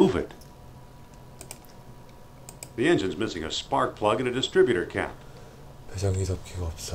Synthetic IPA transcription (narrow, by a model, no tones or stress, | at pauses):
uvɪ̰t̚ | ðiɛ̃nd͡ʒɨ̃nzmɪsɪ̃ŋɨ̰spɑɹk̚pʰl̥ʌɡɨ̃nɨdɨstɹ̥ɪbjɨɾə˞kʰæ̰p | pʰesʌŋidʌp̚kʰiɡoʌpsʌ